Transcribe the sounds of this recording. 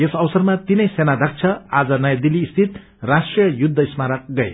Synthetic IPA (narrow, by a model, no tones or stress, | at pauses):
esʌwsʌrmat̪inʌjsenad̪ʌk̚t͡sʰʌad͡zʌnʌjad̪iliːst̪ʰit̪̚ | rasʈrijʌjud̪ʱːʌismaɾʌk̚ɡʌj